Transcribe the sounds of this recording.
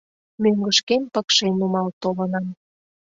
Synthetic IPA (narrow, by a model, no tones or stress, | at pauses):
møŋɡəʃkempəkʃenumɑlt̪olənɑm